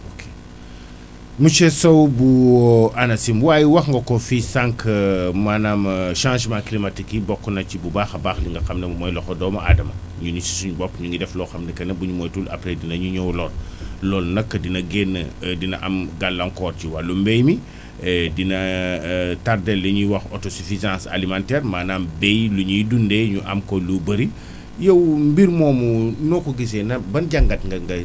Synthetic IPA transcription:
okʰe̥ | mut͡ʃɛsowbuʔanɐsimwaːjiwɐxŋɡɐkofisaŋkmanamʃãːnʃmaklimatikːibɔkːunɐt͡ʃibubaːxɐbaxliŋɡɐxɐmnɛmmɔjlɔxɔdɔmɐa̰dɐmɐ̰ | ɲunisi̥suɲbɔpɲuŋɡidɛflɔxɐmnɐkɐnɐbuɲumɔjtula̰pɾedinɐɲuɲɔwlɔːllɔːlnɐkːədinɐɡɛnːədinɐʔɐmɡalːɐŋkɔːrt͡ʃiwalumbɛjmi | dinɐ | tardɛlːɐɲuwɐxɔtɔsifizãnsa̰limãntɛrmaːnaːmbɛjluɲudundɛɲuʔɐ̰mkɔlubɐɾi | jɐwmbiɾmɔːmunɔkɔɡis̬ɛnɐbɐnɟaŋɡɐtŋɡɐŋɡɐ

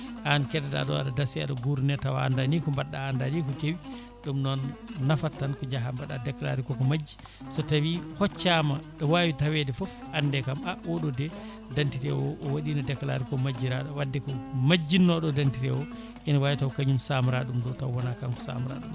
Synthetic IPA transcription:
ʔankɛdɛda̰ɗɔ̰a̰ɗadasia̰ɗɔɡuɾunɛtawaa̰ndanikɔmbaɗːaːndanikɔkewi | ɗumnɔnːafatːankɔɲd͡ʒaɦambaɗa̰dɛkla̰ɾikɔkɔmad͡ʒːi̥ | satawihɔt͡ʃːamaɗɔwawitawɛdɛfɔfʔandɛkamawɔɗɔdɛ | dantiɾɛwɔʔɔwaɗinadɛkla̰ɾikɔmad͡ʒːiɾaɗɔwadːɛkɔmad͡ʒːinːɔɗɔdantiɾɛwɔ | ʔɛnawawitawkaɲumsamuɾaɗumdɔtawɔnakamkɔ̥sa̰muɾa̰ɗum

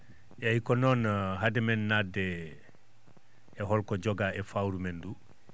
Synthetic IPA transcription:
ʔɛjikɔnɔnɦadɛmɛnːadːɛ | ɦɔlkɔd͡ʒɔɡaɛfawɾumɛndu

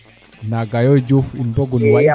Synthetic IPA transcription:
naɡajɔjd͡ʒufundɔɡunwa

